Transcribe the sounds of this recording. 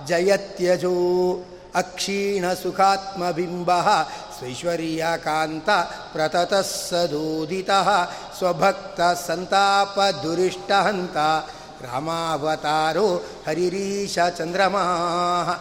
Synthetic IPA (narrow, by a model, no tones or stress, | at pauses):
d͡ʒɐjɐt̪jɐd͡ʒu | ɐkʂiːɳɐsukʰaːt̪mɐbʱimbɐɦɐ̆sʋɐʃʋɐɾjakaːnt̪ɐpɾɐt̪ɐt̪ɐsɐd̪uːd̪ʱit̪ɐɦɐ̆ | swɐbʱɐk̚t̪ɐsɐnt̪aːpɐd̪uɾiʂʈɐɦɐnt̪ɐ | ɾa̰ːmaːʋɐt̪aːɾoː | hɐɾiɾiːʃɐt͡ʃɐnd̪ɾɐmɐɦɐɦɐ